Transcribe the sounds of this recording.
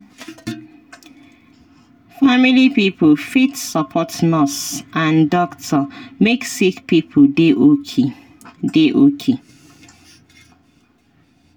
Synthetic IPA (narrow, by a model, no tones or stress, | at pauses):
familipipʰlfitsɔpʰɔtnɔsãndɔktʰəmeksikpipʰeʔo | deʔokʰe